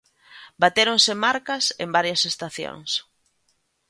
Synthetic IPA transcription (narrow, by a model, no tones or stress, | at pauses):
bat̪eɾoŋsɪmaɾkɐsḛmbaɾjɐsest̪aθjo̰ŋs